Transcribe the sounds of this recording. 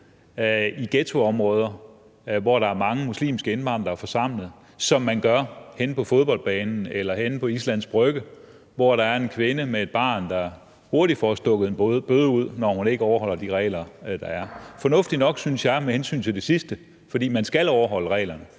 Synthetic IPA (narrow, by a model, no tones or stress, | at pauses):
iɡ̥et͡sʰo̝ɒ̽mʁɔ̽ːð̞ˠɐ | ʋɒɾ̥ɑ̈æɐmɑ̈ŋəmuslḭːmsɡ̥əe̝nb̥ɑ̈ːnd̥ɑ̈æɐfɒsɑ̈m̰ləð̩ˠ | sɒ̽mːænɡ̥ɶɐhenpʰɒ̽fo̝ð̞ˠbɒ̽l̰d̥̚b̥ɛːnn̩elɐhenpʰɒ̽islæn̰sb̥ʁœɡ̥ə | ʋɒɾ̥ɑ̈æɐe̝nkʰʋe̝nəmee̝d̥̚b̥ɑ̰̈ːnd̥ɑ̈ | ho̝ɐɾi̥fɒsd̥ɔ̽ɡ̥əð̩ˠebb̥øðˠuð̞̰ˠnɒhune̝ɡ̥əɒʊɐhɒ̽l̰ɐd̥iʁɛ̰ːlɐd̥ɑ̈æɐfɒ̽nɔ̽fd̥inɒ̽ɡ̥synsjɑ̈ɪmehensy̰ːnt͡sʰe̝ld̥e̝sisd̥ə | fɒdḭːmænsɡ̥ælɒʊɐɦɒ̽l̰əʁɛ̰ːlɐnə